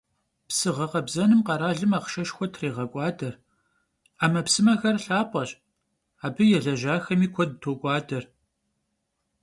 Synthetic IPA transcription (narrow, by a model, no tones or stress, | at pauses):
psɨʁɐqɐbzɐnɨmqɐɾaːɮɨmaːqʃɐʃxʷɔtʰreːʁɐkʷʼɑːdɐr | aːmɐpsɨmɐxɐrɬaːpʷʼɐɕʼ | aːbɨjɛɮɐʒaːxɐmiːkʷʰɔd̚tʰoːkʷʼɑːdɐr